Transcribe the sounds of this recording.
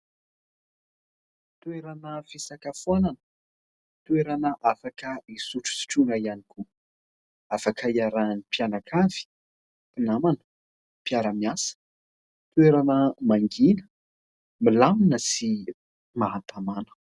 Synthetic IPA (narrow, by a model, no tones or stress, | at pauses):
t̪weɾanəfesakafuananə̥ | t̪weɾanəʔafakəisuʈ͡ʂu̥si̥ʈ͡ʂunaianikʰu | afakəiaɾanipianakʰavi̥ | pinamanə̥ | piaɾəmiasə̥ | t̪weɾanəmaŋɡinə̥ | milaminəsi | maɦant̪ʰamanə̥